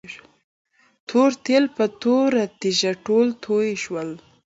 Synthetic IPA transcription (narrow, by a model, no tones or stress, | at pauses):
t̪ʰoɾt̪elpət̪oɾat̪iʒaʈolt̪ʰojeʃwəl